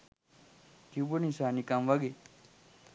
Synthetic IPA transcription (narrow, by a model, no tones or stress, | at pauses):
t̪ibonĩsaːnikamʋɐɡe